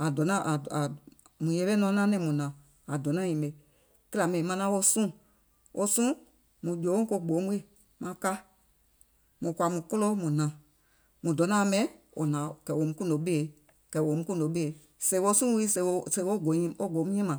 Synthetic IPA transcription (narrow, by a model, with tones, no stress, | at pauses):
a˨dɔ˨˦nã˦ʔa˨a˨ | mũ˨je˧˦ɓe˦nɔ̃˧˦nã˦nɛ̃˧˦mũ˨nã˨ | a˨dɔ˨nã˦ɲĩ˨ɓe˨ | ke˦la˨mɛ̃˨mã˧nã˦wo˧sũ˦˨ | ʔo˧sũ˦ | mũ˨d͡ʒõ˨˦ko˧ɡ͡bo˨˦m˦i˦˨ | mã˧˦ka˦ | mũ˨kwa˨mũ˨ko˦lo˦mũ˨nã˨ | mũ˨dɔ˨˦nã˦˧˨mɛ̃˨˦wo̰˨nã˨kɛ˨wo˨mũ˧kũ˦˨do˨˦ɓe˦e˨ | kɛ˨wo˨mũ˦kũ˦˨do˨˦ɓe˦e˨ | se˨˦wo˧sũ˦wi˦se˨˧se˧˨wo˦ɡo˨˦ɲĩ˧o˦ɡo˨˦mũ˦ĩ˦mã˨